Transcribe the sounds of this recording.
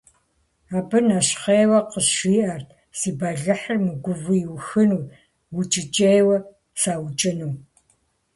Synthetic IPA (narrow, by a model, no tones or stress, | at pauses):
aːbɨnaɕχejwɐqəʃiːʔɐrtʰ | siːbaːɮɐħərmɨɡʷʊvɨjwʊxɨnuː | wʊt͡ʃʼɪt͡ʃʼejwɐ | saːwt͡ʃʼɪnuː